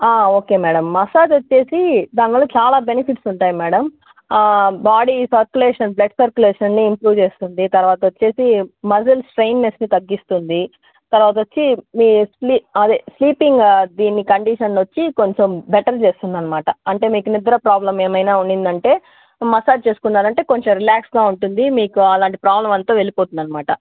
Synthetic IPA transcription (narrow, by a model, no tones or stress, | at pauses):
aːo̞ːke̞ːmɛːɽɐmːɐsaːd͡ʒot͡ʃːe̞ːsid̪aːnɡɐloːt͡ʃaːlaːbenipʰiʈsuɳʈaːjimɛːɽɐm | baːɽisɐɾkjuleːʂɐnblɐɖsɐɾkjuleːʂɐnniːmpɾuːʋt͡ʃe̞ːst̪und̪it̪ɐɾʋaːt̪ɐʋot͡ʃːe̞ːsimɐsɐlsʈɾejnːesnit̪ɐɡːist̪und̪i | t̪ɐɾʋaːt̪̬ɐot͡ʃːimiːsliɐd̪esliːpiŋɡd̪iːnːikɐɳɖiʃɐnlot͡ʃːiko̞ɲt͡ʃombeʈɐɾt͡ʃeːst̪und̪ɐnːɐmaːʈɐɐɳʈe̞ːmiːkunid̪ɐɾɐpɾaːblɐme̞ːmɐjnaːuɳind̪ɐɳʈe̞ː | mɐsaːd͡ʒt͡ʃe̞ːsu̥kunːaːɾɐɳʈe̞ːko̞ɲt͡ʃomɾilaːksɡaːuɳʈund̪imiːkuɐlaːɳʈipɾaːblɐmɐnt̪oːʋe̞lipoːt̪und̪ɐnːɐmaːʈɐ